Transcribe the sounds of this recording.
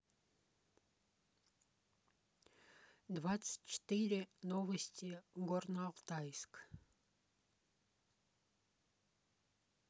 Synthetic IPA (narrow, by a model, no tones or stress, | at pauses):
d̪vat̪sə̥tʲt͡ʃɪ̥t̪iɾʲɪnovəsʲtʲiɡornɑʁt̪ajsk